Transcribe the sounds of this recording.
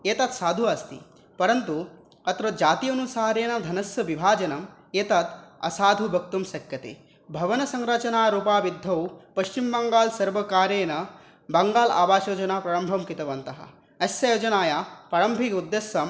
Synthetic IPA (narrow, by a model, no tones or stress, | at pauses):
eːt̪ɐt̪saːd̪ʱuɐst̪ḭ | pɐɾɐnt̪u | ɐt̪ɾod͡ʒaːt̪ijɐnusaːɾeːnɐd̪ʱɐnɐsjɐʋibʱaːd͡ʒɐnɐmeːt̪at̪ɐ̰saːd̪ʱubʱɐk̚t̪umsɐkjɐt̪ḛː | bʱɐʋɐnɐsɐŋɾɐt͡ʃɐnaːɾuːpaːʋid̪ʱːɐwpɐʃt͡ʃimbɐŋɡaːlsɐɾʋɐkaːɾeːnɐ | bɐŋɡaːla̰ːbaːʃoːd͡ʒɐnaːpɾaːɾɐmbʱɐmkit̪ɐʋɐnt̪ɐɦɐ̰̆ | ɐsjɐjoːd͡ʒɐnaːjaːpɾɐːɾɐmbʱikud̪ːeːsjɐm